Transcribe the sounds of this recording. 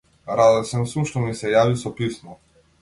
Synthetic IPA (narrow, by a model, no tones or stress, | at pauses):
ɾad̪ɛsɛmsumʃt̪ɔmisɛjavisɔpismɔ